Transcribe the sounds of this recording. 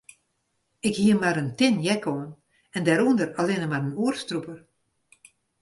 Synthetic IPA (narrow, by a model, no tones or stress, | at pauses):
ɪkhiəmaɾəntɪnjɛkʰoən | ɛndɛɾundəralɪnəmaɾənuərstrupər